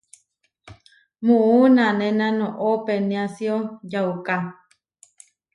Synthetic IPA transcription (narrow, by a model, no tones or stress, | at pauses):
mũʔunãnẽnãnõʔopenĩasiojauka